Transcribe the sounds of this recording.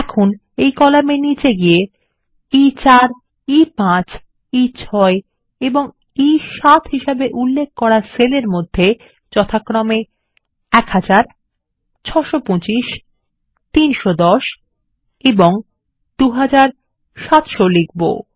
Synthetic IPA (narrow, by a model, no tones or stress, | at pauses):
ɛkʰun | ejkɔlamenit͡ɕeɡije | it͡ɕaɾ | ipãt͡ɕ | it͡ɕʰɔe | eboŋ | iʃat̪ʰɦiʃabeʔulːek̚ʰkɔɾaɾseleɾmod̪ʱːe | d͡ʑɔt̪ʰakːɾome | ɛkhad͡ʑaɾ | t͡ɕʰɔʃopõt͡ɕiʃ | t̪inʃod̪ɔʃ | eboŋ | d̪̥uɦad͡ʑaɾ | ʃat̪ʃolik̚bo̰